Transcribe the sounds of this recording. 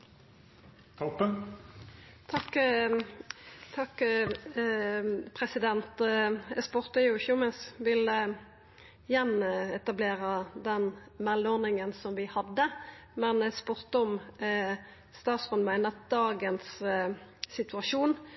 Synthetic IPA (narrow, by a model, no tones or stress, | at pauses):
t̪ʰɔpən | t̪ʰɑk | t̪ʰɑkː | pʰʁɛsɪd̪ɛnt̪ɛspʊʁt̪əjʊɪçəʊmɛnsʋɪlə | jɛnɛt̪ɑbleːɾəd̪ɛnmɛloːʁnɪŋənsɔmʋɪhɑd̪ːəmɛnspʊʁt̪ɔm | st̪ɑːt̪sʁɔnmæɪnɑt̪̚d̪ɑːɡənsː | ɪt̪ʉɑʂuːn